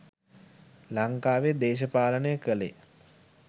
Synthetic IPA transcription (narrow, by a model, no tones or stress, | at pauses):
laŋkaːʋed̪eːʃ̬əpaːlənəjəkəlḛ